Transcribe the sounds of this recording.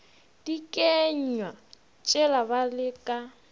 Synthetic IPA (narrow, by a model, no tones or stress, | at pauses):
d̥ikʼeɲɲwa | t͡ʃʼɛlabalɪkʼa